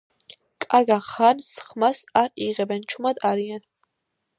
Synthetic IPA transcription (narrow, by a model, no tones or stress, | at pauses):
kʼaɾɡaχansχmasaɾiʁɛbɛnt͡ʃʰumad̪aɾian